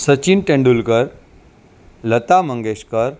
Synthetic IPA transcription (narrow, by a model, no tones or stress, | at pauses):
sət͡ɕiːnʈẽɳɖulkəɾ | lət̪aməŋɡeɕkəɾ